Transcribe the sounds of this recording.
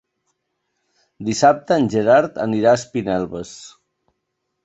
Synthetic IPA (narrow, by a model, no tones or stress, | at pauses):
d̪isap̚t̪əːnʲʒəɾaɾt̪ə̰niɾaəspinɛlˠβəs